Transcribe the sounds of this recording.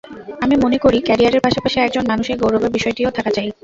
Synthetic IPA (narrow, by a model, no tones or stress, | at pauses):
amimonekoɾikɛɾiaɾeɾpaʃapaʃiɛk̚d͡ʑonmanuʃeɾɡowɾobeɾbiʃɔeʈiot̪ʰakat͡ɕaj